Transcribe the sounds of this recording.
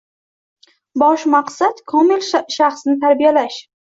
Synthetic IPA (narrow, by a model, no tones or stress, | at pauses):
bɒʃmaqsat̪kʰɒmɪlʃaχsnɪt̪ʰaɾbijalaʃ